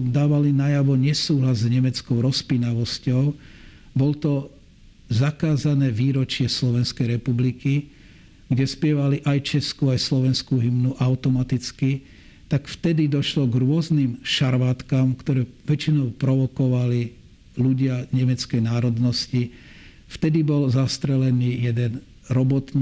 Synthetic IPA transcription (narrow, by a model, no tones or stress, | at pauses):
d̪aːʋalinajaʋɔɲɛsuːɦlazɲɛmɛt͡skɔʊɾɔspinaʋɔscɔʊ | bɔlɔt̪ɔ | zakaːzanɛːʋiːɾɔt͡ʃɪɛslɔʋɛnskɛjɾɛpubliki | ɡɟɛspɪɛʋaliʔajt͡ʃɛskuajslɔʋɛnskuɦimnuʔaʊt̪ɔmat̪it͡ski | t̪akft̪ɛd̪id̪ɔʃlɔɡɾʊɔznimʃaɾʋaːt̪kaːmkt̪ɔɾɛːʋɛt͡ʃinɔʊpɾɔʋɔkɔʋali | luɟɪaɲɛmɛt͡skɛjnaːɾɔd̪nɔsci | ft̪ɛd̪ibɔlzast̪ɾɛlɛniːjɛd̪ɛn | ɾɔbɔt̪n